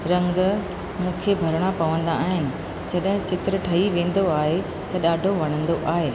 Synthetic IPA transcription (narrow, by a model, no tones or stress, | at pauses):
ɾɐ̃ŋɡ | mũːkʰebʱɐɾɽ̃apɐʋə̃nd̪a̰aːɦɪnɪ̆ | d͡ʑɐɗɦɪ̃t͡ɕɪt̪ɾəʈʰɐɦiʋẽːn̆d̪oaːɦe | t̪ɐɗaːɖʱoʋɐɽ̃ə̃nd̪oʔaːɦeː